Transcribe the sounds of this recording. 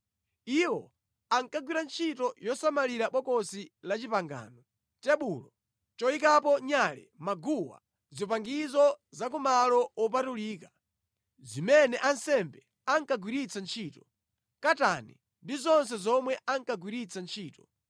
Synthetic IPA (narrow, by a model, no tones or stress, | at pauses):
iwɔ | aŋkaɡwiɾant͡ʃʰitɔjɔsamaliɾaɓɔkɔsilat͡ʃipaŋɡa̰ːnɔ | tɛɓulɔ | t͡ʃɔikapɔɲalɛ̰maɡuwa̰ | zɔpaŋɡizɔ | zak̬umalɔwɔp̬atuliːkḁ | zimɛnɛʔansɛmbɛ | aŋkaɡwiɾit͡sant͡ʃʰiːtɔ | katanḭ | ndizɔnsɛzɔmwɛʔaŋkaɡwiɾit͡sʰant͡ʃʰiːtɔ